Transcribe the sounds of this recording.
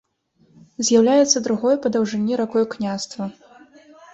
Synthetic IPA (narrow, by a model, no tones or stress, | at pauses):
zʲjawlʲajɛt̪sːɐd̪ɾuɣɔjpɐd̪ɐwʐɨnʲːiɾakɔjuknʲast̪vɐ